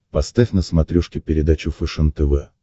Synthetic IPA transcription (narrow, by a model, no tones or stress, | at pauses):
pɐst̪afʲnəsmɐt̪ɾʲɔʂkʲɪpʲɪɾʲɪd̪at͡ɕʊfɛʂənt̪əvɛ